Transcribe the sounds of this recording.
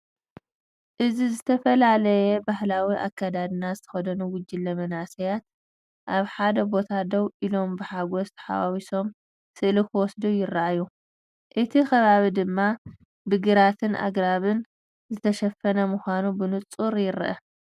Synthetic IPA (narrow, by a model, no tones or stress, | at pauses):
ʔɨzizɨt̪ʰɐfɐlalɐjɛbahlawiʔa̰kːad̪ad̪ɨnazɨt̪ʰɐ̥xɐd̪ɐnuwʊd͡ʒːɪlːɐmɐnasɐjat̪̚ | ʔaβħad̪ɐbo̞t̪ʰad̪ɐwʔilo̞mbɨħaɡosħa̰wawiso̞m | sɨʔlikʰɨwɔsd̪ujɪrːaʔajːu | ʔɨt̪ʰixɐβaβid̪ɨmːa | bɨɡɨɾat̪ʰɨnʔa̰ɡɾaβɨn | zɨt̪ʰɐʃɐfːɐnɐmuxʷanubɨnɨt͡sʼuɾjɪɾʔɐ